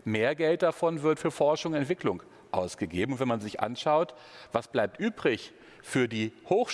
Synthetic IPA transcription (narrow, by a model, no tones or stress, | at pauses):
meːɐɡɛlt̚d̥afɔnvɪɐtfyːɐfɔɐʃʊŋɛntv̥ɪklʊŋ | ʔaʊsɡ̥əɡeːbm̩ʊntvɛnmanzɪçʔa̰nʃaʊt | v̥asb̥laɪp̚tʔyːbʁɪç | fyːɐdiːhoːx